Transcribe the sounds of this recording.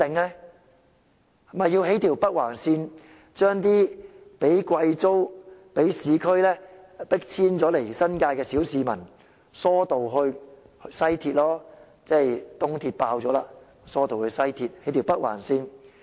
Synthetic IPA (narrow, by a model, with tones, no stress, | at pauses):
t̪ɪ˨ŋlɛ˥ | hɐ˨mɐ˨jiː˧wɦe˨˥jt̪ʰiː˨˩wpɐ˥k̚waː˨˩nsiː˧n | t͡ʃœː˥ŋt̪̬iː˥pe˨˥jkʷɐ˧jt͡so˥wpe˨˥jsiː˨˧kʰɵ˥ɥlɛː˥ | pɪ˥k̚t͡sʰiː˥nt͡sɔː˨˥le˨˩jsɐ˥nkaː˧jkɛː˧siː˨˥wsiː˨˧mɐ˨˩n | sɔː˥t̪o˨wɦɵ˧ɥ | hsɐ˥jt̪ʰiː˧t̚lɔː˥ | t͡sɛː˥˩jt̪ʊ˥ŋt̪ʰiː˧t̚paː˧wt͡sɔː˨˥laː˧ | sɔː˥t̪o˨whɵ˧ɥsɐ˥jt̪ʰiː˧t̚he˨˥t̪ʰi˨˩wpɐ˥t̚wa̰ː˨˩nsiː˧n